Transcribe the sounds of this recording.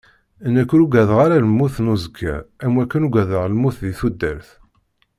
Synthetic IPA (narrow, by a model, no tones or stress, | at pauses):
nːækːʊɾuɡæðʁaɾaləmːuθnuzəkʰːæ̰æmwækːənuɡæðəʁlmːuθðiθud̪ːæɾθ